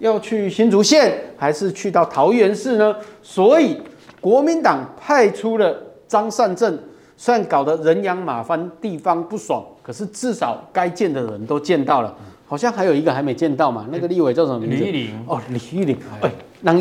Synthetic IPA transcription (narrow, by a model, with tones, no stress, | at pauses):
jɑ˥˧ʊt͡ɕʰy˥˨ɕi˦˥nt͡su˧˥ɕjɛ˥˨nxa˧˥ɪʂɻ̩˥˧t͡ɕʰy˥˧t̪ɑ˥˩ʊt̪ʰɑ˧˥ʊɥɛ˧˥nʂɻ̩˥˩nə˨swɔ˧˥i˨˩kwɔ˧˥mi˨˦nt̪ɑ˨˩ŋpʰa˥˩ɪʈ͡ʂʰu˥lə˨t͡sɑ˥ŋsa˥˧nt͡sə˥˩n | swa˥˩nkɑ˨˩ʊd̪ə˦ɻə˧˥njɑ˧˥ŋma˨˩fa˦nt̪i˥˩fɑ˦ŋpu˥˩swa̰˨˩ŋkʰə˨˩ʂɻ̩˥˧t͡sɹ̩˥˩sɑ˨˩ʊka˥ɪt͡ɕjɛ˥˩nd̪ə˨ɻə̰˧˦nt̪o˥ʊt͡ɕjɛ˥˧nt̪ɑ˥˩ʊlə̰˩hɑ˨˩ɕjɑ˥˩ŋɦa˧˥ɪjo˨˩i˧ɡə˧xa˧ɪme˧˥ɪt͡ɕjɛ˥˧nt̪ɑ˥˩ʊma̰˨na˥˩ɡə˨li˥˧˨we˨˩t͡ɕjʂə˨˦m˧˥˧o˥˧˩li˨˩˥li˨˩e˥˩ | na˧